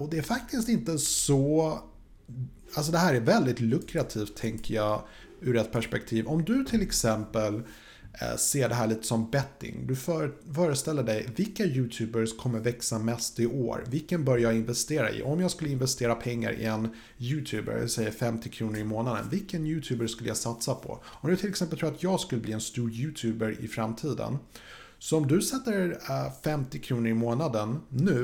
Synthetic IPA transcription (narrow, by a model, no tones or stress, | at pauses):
ɔd̪ɛæɾfak̚t̪ɪst̪ɪnt̪əssɔ | als̬ɔd̪ɛɦæːɾæɾvɛld̪ɪt̪lɵkɾat̪ʰiːft̪ʰːɛŋkəjɑː | ʉ̟ɾɛt̪̚ːpʰæʂpɛk̚t̪ʰiːvɔmd̪ɵt̪ʰɪlɛksɛmpəl̰ | seːɖɛɦæːɭiːt̪ə̥sɔmbɛt̪ːɪ̰ŋd̪ɵffœːɾəst̪ɛlːəɖɛjvɪlkːajʉ̟ːt̪ʰʉ̟ːbəɾkʰɔmːəɾvɛksamɛst̪ɪʔo̰ːɾvɪlkːənbœɾjɑːɪnvɛst̪eːɾa̰ʔɪ̰ʔɔmjɑːɡskɵlːəɪnvɛst̪eːɾapʰɛŋːa̰ɾʔɪ̰ɛn | jʉ̟ːt̪ʰʉːbə̰ɾsɛjːəɾfɛmt̪ɪkʰɾuːnəɾɪmoːnad̪ə̰nvɪlkːənjʉ̟ːt̪ʰʉːbəʂkɵləjɑsat̪sapʰɔ̰ | ɔmjat̪ʰɪlɛksɛmpəlt̪ɾːat̪ʰjɑːɡskɵlːəbliːɛnst̪uːɾjʉ̟ːt̪ʰʉːbəɾɪ̰fɾamːt̪ʰiːd̪ə̰n | sɔɔmd̪ɵsɛt̪ːəɾfɛmt̪ɪkʰɾuːnəɾɪmoːnad̪ənːʉ̟ː